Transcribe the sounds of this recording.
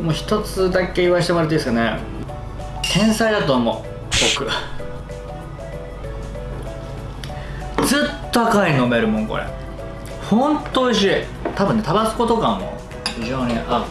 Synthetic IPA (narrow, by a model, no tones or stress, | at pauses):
moːçi̥t̪o̞t͡sɨd̪ake̞iβaeɕit̪omaɾɯt̪od̪esɨ̥kane | t̪ʰẽ̞ɰ̃said̪at̪oːmo̰ | bo̞kɯ̟ | d͡zɨt̪t̪akainomeɾɯ̟mõ̞ŋko̰ɾḛ | hõnt̪oɕ̬i | t̪abɯ̟nːe̞t̪abasɨ̥ko̞t̪o̞kãmːo̰ | çiʑo̞ːɲ̟iʔa